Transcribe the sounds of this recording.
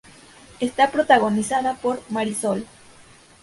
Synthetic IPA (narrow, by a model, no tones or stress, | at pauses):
est̪apɾot̪aɣo̞nisaðapo̞ɾmaɾisol